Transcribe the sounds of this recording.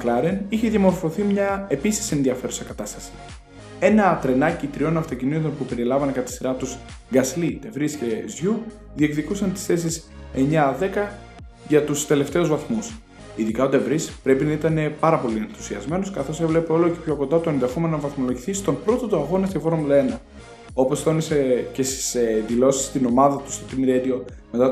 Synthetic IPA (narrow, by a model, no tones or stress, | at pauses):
klɐɾeniçe̞ðiɐmo̞ɾfo̞θimɲɐe̞pisi̥sie̞nðiɐfe̞ɾusɐkɐt̪ɐst̪ɐsi̥ | e̞nɐt̪ɾe̞nɐcit̪ɾio̞nɐft̪o̞cinit̪onpupe̞ɾilɐvɐnekɐt̪i̥siɾɐt̪uzɡɐslid̪e̞vɾisce̞zʝu | ðiekðikusɐnt̪i̥sθe̞sis | e̞ɲɐðe̞kɐ | ʝɐt̪ust̪e̞le̞ft̪e̞uzvɐθmus | iðikɐot̪evɾispɾe̞pinɐit̪ɐne̞pɐɾɐpo̞lie̞nθu̥siɐzme̞nuskɐθo̞sevle̞peo̞lo̞ce̞̥pço̞ko̞nd̪ɐt̪oend̪ɐxo̞me̞novɐθmo̞lo̞ʝiθist̪o̞npɾo̞t̪ot̪oɐɣo̞nɐsefo̞ɾumlenɐ | o̞po̞sθo̞nisece̞st̪i̥seðilo̞si̥st̪ino̞mɐðɐt̪u̥st̪o̞t̪imiɾed̪io̞me̞t̪ɐ